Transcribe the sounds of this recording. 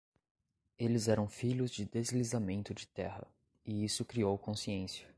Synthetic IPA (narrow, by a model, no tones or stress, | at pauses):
elɪzɛɾɐ̃w̃fiʎʊzd͡ʒɪd̪ezlizamẽnt̪ʊd͡ʒɪt̪ɛhɐ̰ | ɪisʊkɾiowkõsiẽsiɐ